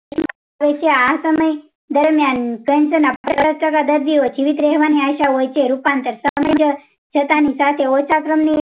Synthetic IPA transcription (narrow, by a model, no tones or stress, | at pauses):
əɕma | aʋet͡ɕeasəməj | d̪əɾmjankənsənappɾəɾət̪akad̪əɾʋiʋot͡ɕiʋit̪ɾeɦʋaniaɕaʋəjt͡ɕeɾupant̪əɾsəɦməjd͡ʑə | t͡ɕʰət̪anisat̪ʰeosakɾəmni